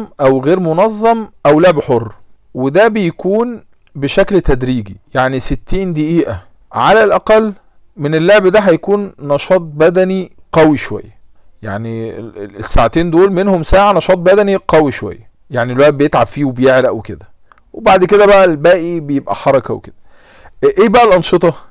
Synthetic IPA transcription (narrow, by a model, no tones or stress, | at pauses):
ʔæwɣeːɾmonɑzˤːɑmʔæwloʕbħorː | wed̪æbejkuːn | beʃæklt̪æd̪ɾiːɡijaʕniset̪ːiːnd̪iʔiːʔæ | ʕalælʔæqɑlː | menelːoʕbd̪æɦæjækuːnːɑʃɑːt̪̚ˤbæd̪æniqɑwiʃowæ̰jːæ | jaʕniesːaʕat̪eːnd̪oːlmenhomsaːʕanɑʃɑːt̪̚ˤbæd̪æniqɑwiʃowæ̰jːæ | jaʕnilwæʔt̪̚bejet̪ʕabfiːwebejeʕlæʔæweked̪æ | webaʕd̪ked̪æbæʔælbæːʔibejebʔæ̰ħɑɾˤɑkɑweked̪̥æ | ʔeːbæʔælʔɑnʃet̪ˤɑ